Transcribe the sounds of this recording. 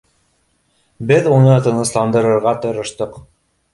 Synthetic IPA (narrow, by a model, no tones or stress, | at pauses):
bɘðunɤt̪ɤ̆nɤ̆slˠɑnd̪ɤ̆ɾɤ̆ɾʁɑt̪ŏɾɤ̆ʃt̪ɤq